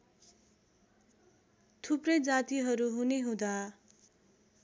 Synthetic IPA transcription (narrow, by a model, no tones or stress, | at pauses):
t̪ʰuprʌjd͡zat̪iɦʌɾuɦuneɦũd̪a